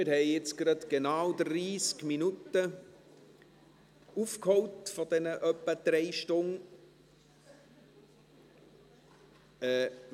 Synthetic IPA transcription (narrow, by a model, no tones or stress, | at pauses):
ɪɾhɛɪɪt͡sɡ̥ɾɑd̪ɡ̥enaːʊd̪riːskminut̪ə | ufkhɔwtfɔd̥ɛnəʔœpːəd̥̪ɾɛɪʃtʊn | ɛː